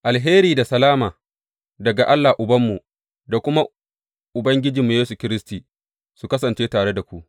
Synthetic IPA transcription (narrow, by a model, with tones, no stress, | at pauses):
ʔa˨lɦeː˦ɾiː˨da˨sɐ˨laː˦maː˨ | dɐ˨ɡa˨ʔa˦lːa˨ʔʊ˨bɐ˦mːu˨ | da˨kʷʊ˦ma˦ | ʔʊ˨bɐ˦ŋɡʲɪ˦d͡ʒi˨mːu˨jeː˦su˨kʲɪ˦ɾɪ˦stiː˨ | su˨kɐ˦sɐ˨nt͡ʃeː˦taː˨ɽe˦da˨kʷu˦ʔ